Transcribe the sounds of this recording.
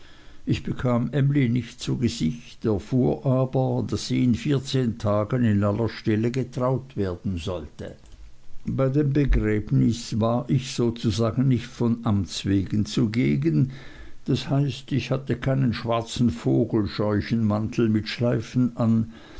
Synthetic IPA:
ʔɪçb̥əkʰaːmʔɛmlinɪçtt͡suɡəzɪçtɛɐfuːɐʔaːbɐdasz̥iːɪnfiːɐt͡seːntʰaːɡənɪnʔalːɐʃtɛləɡətʁ̥aʊtv̥eːɐd̥n̩zɔltə | b̥aɪdeːmbəɡʁɛːbnɪsvaːʔɪçz̥oːt͡suzaːɡn̩nɪçtfɔnʔamt͡sv̥eːɡənt͡suɡeːɡən | d̥ashaɪstɪçhatəkʰaɪnənʃv̥aʁt͡sn̩foːɡl̩ʃɔʏçən̩mantʰl̩mɪtʃlaɪfn̩ʔan

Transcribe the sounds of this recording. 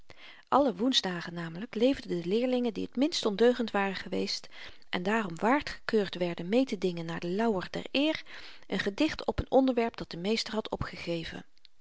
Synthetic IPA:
ʔɑləʋunzdaːχənaːmələklejvdədəlɪːɹlɪŋəndḭɦətmɪnstɔndøɥχəntʋaːrəχəʋḛjst | ʔɛ̰ndaːrɔmʋaːɹtχə̥køːɹtʋɛɹdənmejtədɪŋənːaːɹdəlɑwərdɛ̰ɹɪːrʔənχədɪχtʰɔpənɔndəɹʋɛɹp̚d̥ɑt̚d̥əmejstəɹɦɑtʰɔ̰pχəχejvə̰n

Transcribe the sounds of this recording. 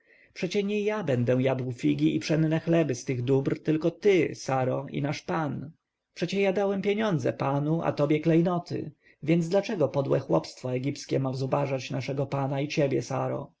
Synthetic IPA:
pʂɛt͡ɕɛɲɛjabɛnd̪ɛw̃jad̪wfʲiɡʲiʔipʂɛnnɛxlɛbɘst̪ɘɣd̪ubɾt̪ɘlkɔt̪ɘsaɾɔḭnaʂpan | pʂɛt͡ɕɛjad̪awɛmpʲjeɲɔnd̪zɛ̰panua̰t̪ɔbʲjɛklɛjnɔt̪ɘ̰ | vʲjɛnd̪d̪lat͡ʂɛɡɔpɔd̪wɛ̰xwɔpst̪fɔɛɡʲipskʲɛmavzubaʐat͡ɕnaʂɛɡɔpanait͡ɕebʲjɛsa̰ɾɔ̰

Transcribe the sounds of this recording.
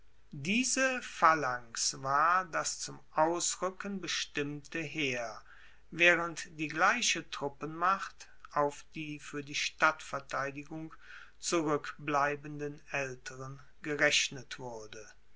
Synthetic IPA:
diːzəfalaŋsvaːɐdast͡sʊmʔaʊsʁʏkənbəʃtɪmtəɦeːɐ | vɛːʁəntd̥iːɡlaɪʃətʁ̥ʊpənmaχt | aʊfd̥iːfyːɐdiːʃtatfɛɐtʰaɪdɪɡʊŋ | t͡suʁʏkblaɪbəndənɛltʰəʁən | ɡəʁɛʃnətv̥ʊɐdə

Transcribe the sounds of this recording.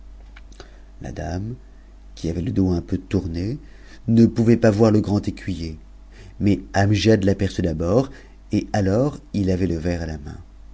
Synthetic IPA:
la̰d̪am | kʲiavɛləd̪oɛ̃pøt̪uʁne | nəpuvɛpavwaʁləɡʁɑ̃t̪ekʲɥije | mɛamʒad̪lapɛʁsyd̪abɔʁ | ealɔʁilavɛləvɛʁalamɛ̰̃

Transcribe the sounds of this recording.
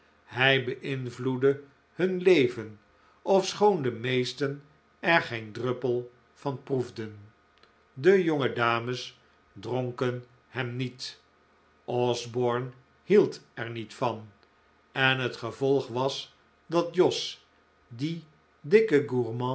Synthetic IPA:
hɛjbəʔɪnvludə | hɵnlejvən | ɔfsχowndəmejstən | ɛɹχejndrɵpəlˠ | v̥ɑnpruvdən | dəjoŋədaːməs | droŋkən | hɛmnit | ʔɔzbɔɹn | hilˠtɛɹnitfɑn | ɛnɦətχəvɔlˠχʋɑs | dɑt̚jɔs | di | dɪkəɡuɹmɑ̃

